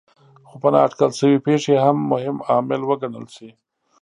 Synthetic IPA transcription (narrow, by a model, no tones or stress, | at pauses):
xopənɑ̰ːʈkəlʃəwipeʂeɦamːʊhɪmɑmɪlwəɡanə̰lsi